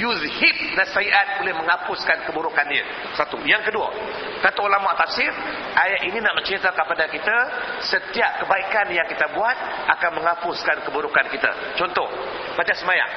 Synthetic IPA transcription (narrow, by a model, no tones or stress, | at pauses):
juzhip̚nasaiʔat̪̚bolɪhməŋapʊskankəbuɾukaniə̰ | sat̪ṵjaŋkədua̰ | kat̪ulamaʔt̪afsɪr | ajaʔininaʔmənt͡ʃɾit̪akəpadakit̪asət̪iap̚kəbaikanjaŋkit̪abuat̪̚akanmə̃ŋapʊskankəbuɾukankit̪a̰ | t͡ʃɔnt̪ɔh | padasəmaja̰ŋ